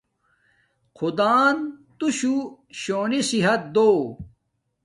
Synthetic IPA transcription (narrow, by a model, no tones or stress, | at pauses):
qʰud̪aːnt̪uɕuɕoːnisiɦɐt̪̚d̪oː